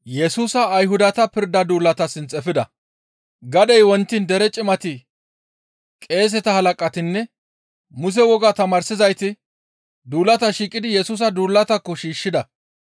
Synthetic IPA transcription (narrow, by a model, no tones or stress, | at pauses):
jɛsuːsɐːjɦʊd̪ɐt̪ɐpɪɾd̪ɐd̪uːlːɐt̪ɐsɪnt͡sʼɛfɪd̪ɐ | ɡɐd̪ɛjwɔnt̪ːɪnd̪ɛɾɛt͡ʃʼɪmɐt̪ɪ | kʼe̞ːs̬ɛt̪ɐhɐlɐkʼːɐt̪ɪnːɛ | mʊs̬ɛwɔɡat̪ɐmaːɾsɪzɐjt̪ɪ | d̪uːlːɐt̪ɐʃiːkʼːɪd̪ɪjɛsuːs̬ɐd̪uːlːɐt̪ɐkːɔʃiːʃːɪd̪ɐ